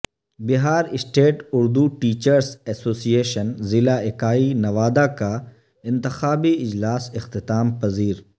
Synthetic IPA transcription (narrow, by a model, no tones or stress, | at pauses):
bɪɦaːɾɪsʈeːʈʊɾd̪uʈiːt͡ʃəɾsɛsoːsijeːʃənzɪlaɪkaːinɐʋaːd̪aka | ɪ̃nt̪ɪxaːbiɪd͡ʒlaːsɪxt̪ɪt̪aːmpɐziːɾ